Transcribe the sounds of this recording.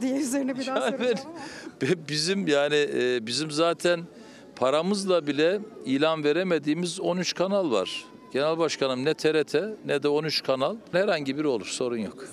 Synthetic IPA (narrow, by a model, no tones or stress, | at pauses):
d̪ijɛyzeɾinɛbiaɛnb̥ɛbizimjaːnɪːbizimzaːt̪ʰɛn | pʰaɾamɯzlˠabilʲɛilʲanveɾemed̪iːmizo̞nyt͡ʃkʰanalˠva̰ɾ̥ | ɟ̥e̞nælʲbaʃkʰanɯmnɛt̪ʰeɾet̪ʰɛnɛd̪ɛo̞nyt͡ʃkʰanalˠhɛɾhaɲɟibiɾo̞lˠuɾ̥so̞ɾunjok